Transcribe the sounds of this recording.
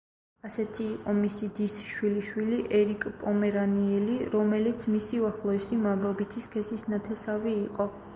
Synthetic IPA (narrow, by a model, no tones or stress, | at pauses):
asɛt̪ʰiːqʼɔmisid̪isʃwiliʃwiliʔɛɾikʼpʼɔmɛɾaniɛliɾɔmɛlit̪sʰmisiuaχlˠɔɛsimamɾɔbit̪ʰiskʰɛsisnat̪ʰɛsaviːqʼɔ